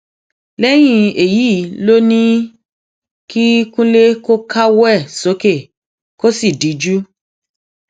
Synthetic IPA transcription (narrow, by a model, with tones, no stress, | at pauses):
lɛ˦j̃ĩ˦˧e˨ji˨˦˨lo˦nĩ˦ | ki˦kũ˦le˦ko˦kʰa˦wɛ˦˨so˨˦ke˦˨ | ko˦si˦˨di˨˦d͡ʒu˦